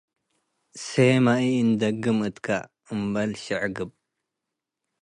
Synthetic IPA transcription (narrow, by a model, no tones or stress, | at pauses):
semaiind̪ɐɡɨmɨt̪kʰa̰ | ɨmbɐlʃɨʕɡɨb̚